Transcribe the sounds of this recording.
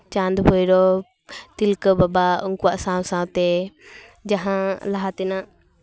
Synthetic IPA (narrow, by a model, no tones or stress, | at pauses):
t͡ʃãnd̪bɔjɾɔ | t̪ilkəbabauŋkuwaʔsãwsãwt̪ɛ | d͡ʒaɦãlaɦat̪ɛnaʔ